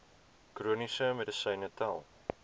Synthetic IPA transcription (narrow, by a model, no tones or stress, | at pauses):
kruənisəmɛdəsəjnətʰælˠ